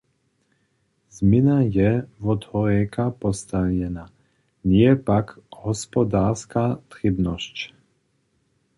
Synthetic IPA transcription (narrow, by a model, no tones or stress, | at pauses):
zminajɛvɔt̪hɔɾɛkapɔst̪avjɛna | ɲɪɛpakɦɔspɔd̪aːɾskat̪ɾibnɔsc